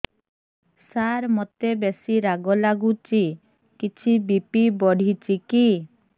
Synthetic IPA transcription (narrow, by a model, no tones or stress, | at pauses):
saɾmɔt̪ebesiɾaɡɔlaɡut͡ʃi | kit͡ʃʰibipibɔɽ̤it͡ʃiki